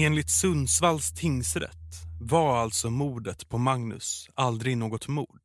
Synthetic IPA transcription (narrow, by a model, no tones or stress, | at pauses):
eːnlɪt̪sɵnsvalst̪ʰɪŋsɾɛ̰t̪ːvaɾalt̪sɔmuːɖ̪ət̪pʰɔmaŋnɵ̰sald̪ɾɪnoːɡɔt̪muːɖ̪